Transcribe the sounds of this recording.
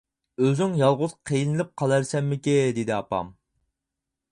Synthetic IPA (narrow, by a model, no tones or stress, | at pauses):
øzyŋjɑlˠʁʊz̥qʰejinɪlɪp̚qʰɑlˠæɾsɛmːɪkʲed̪ed̪ɪɑpɑ̰m